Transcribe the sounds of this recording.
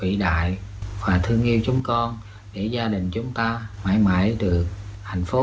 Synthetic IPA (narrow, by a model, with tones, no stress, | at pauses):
vḭ˧˨ɗa̰ː˧˨jvaː˨˩t̪ʰɨ˧əŋʔi˧əwt͡ɕʊ˨˦ŋ͡mkɔ˧n | ɗe˧˩zaː˧ɗï˨˩ŋ̟t͡ɕʊ˨˦ŋ͡mt̪aː˧ma̰ː˧˥˩jma̰ː˧˥˩jɗɨ˨˩ək̚ha˨˩jŋ̟fo˨˦